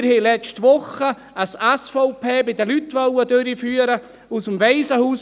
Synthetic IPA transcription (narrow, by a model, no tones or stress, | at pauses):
ɾheɪlɛt͡ʃtʋʊχə | əsɛsfɔʊpʰeːbɪdəlytʋœwədøɾifyːəɾə | usəmʋɛɪsəhuːs